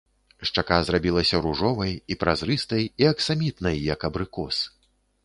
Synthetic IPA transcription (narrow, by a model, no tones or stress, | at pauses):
ʂt͡ʂakazrabʲilˠɐsʲɐɾuʐɔvɐjipɾʔazɾɨst̪ɐjiɐksamʲit̪nɐjːɐkɐbɾɨkɔs